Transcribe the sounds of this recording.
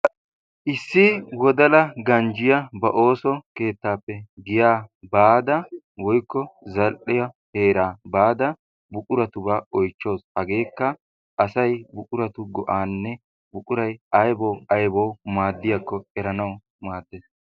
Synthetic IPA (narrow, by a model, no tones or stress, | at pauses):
ʔɪsːɪwɔd̪ɐlɐɡɐnd͡ʒɪjɐbɐʔo̞ːsɔke̞ːt̪ːaːpːɛɡɪjaːbaːd̪ɐ | wɔjkːɔzɐlʔɪjɐheːɾaːbaːd̪ɐ | bʊkʼʊɾɐt̪ʊbaːɔjt͡ʃːo̞ːshɐɡe̞ːkːɐ | ʔɐsɐjbʊkʼʊɾɐt̪ʊɡɔʔaːnːɛ | bʊkʼʊɾɐjʔɐjbɔwɐjbɔwmaːd̪ːɪjakːɔɛɾɐnɐw | maːd̪ːeːs